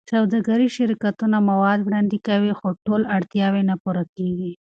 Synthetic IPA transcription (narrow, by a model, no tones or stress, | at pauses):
sawd̪ɑɡaɾiʃɪɾkat̪unamawɑd̪wɽɑnd̪ikawixoʈolaɽt̪jɑwenapuɾakeɡi